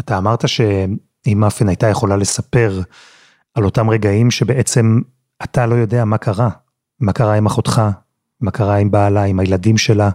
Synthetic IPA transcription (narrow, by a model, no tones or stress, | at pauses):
ataːmaʁt̪aʃe̞ | imafenajtaje̞χo̞lale̞sape̞ʁ | alo̞tamʁe̞ɡaimʃe̞be̞ʔe̞t͡se̞m | atalo̞jo̞de̞amakʰaʁa | makaʁaimaχo̞t̪χa | makaʁaimbaːlaimajeladimʃe̞la